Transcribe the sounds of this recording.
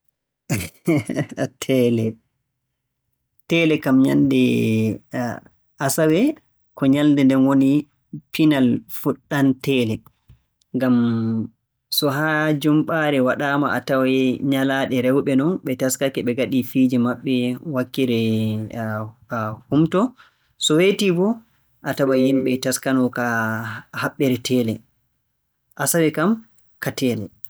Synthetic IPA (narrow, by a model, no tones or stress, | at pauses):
tʰɛlɛ | tɛlɛkamɲa̰ndɛ | ʔasawɛ | kʰɔɲaldɛndɛnwoni | pinalfuɗːantɛːlɛ | ŋɡam | sɔɦaːd͡ʒumɓaɾɛwaɗaːmaʔatawaɛɲalaɗɛɾɛwɓɛnɔnɓɛtaskakɛɓɛɡaɗifiːd͡ʒɛmaɓːɛwakːiɾɛ | humtɔ | sɔwetibɔ | ʔatawahinɓɛtaskanɔka | haɓːɛɾɛtʰɛːlɛ | ʔasawɛkam | katɛːlɛ̰